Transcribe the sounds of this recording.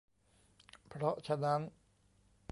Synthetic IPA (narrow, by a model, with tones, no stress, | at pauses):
pʰɾɔ˦˥ʔt͡ɕʰa˧na˦˥n